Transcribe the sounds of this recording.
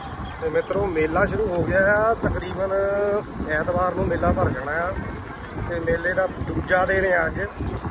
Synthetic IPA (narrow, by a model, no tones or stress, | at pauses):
t̪eːmɪt̪ːɾõːmeːlːãːʃəɾuːɦoːɡɪjaːjaːt̪əkɾiːbən | ɛːt̪baːɾnũːmeːlːaːpəɾkəɽaːjaː | t̪eːmeːleːd̪aːd̪uːd͡ʒaːd̪eːnẽːəd͡ʒ